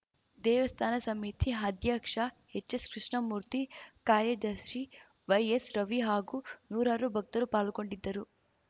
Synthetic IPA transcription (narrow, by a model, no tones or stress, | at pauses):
d̪ɛːʋɐst̪ʰaːnɐsɐmiːt̪ʰiɦɐd̪ʱjaːkʂɐ | het͡ʃːɐskɾiʂɳɐmuːɾt̪ikaːɾjɐd͡ʒ̪ɐʃʂi | ʋɐjesɾɐʋiɦaːɡuːnuːɾaːɾubʱɐk̚t̪ɐlupaːlko̞ɳɖid̪ːɐɾu